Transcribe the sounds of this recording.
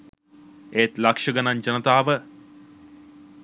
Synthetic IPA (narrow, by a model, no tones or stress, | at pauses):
eːt̪lakʂəɡanaɲd͡ʒɐnət̪aːʋə